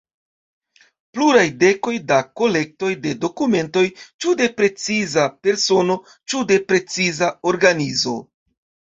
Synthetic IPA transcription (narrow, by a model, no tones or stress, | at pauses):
pluɾajde̞ko̞jdako̞le̞k̚to̞jde̞do̞kume̞nto̞jt͡ʃude̞pɾe̞t͡sizape̞ɾso̞no̞ | t͡ʃude̞pɾe̞t͡sizao̞ɾɡanizo̞̰